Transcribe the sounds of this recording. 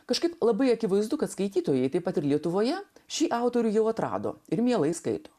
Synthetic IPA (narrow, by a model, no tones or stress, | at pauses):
kɐʃkɐɪplˠɐbɐɪɐkʲɪʋɐɪzd̪ʊkɐt̪skɐɪt̪ʲiːt̪oːjɛɪt̪ɐɪpɐt̪ɪɾlʲiɛt̪ʊʋoːjɛʃʲiːʔɑˑʊt̪oːɾʲʊjɛʊɐt̪ɾɑ̰ːd̪o̰ːɪɾmʲiɛlˠɐɪskɐ̰ɪt̪oː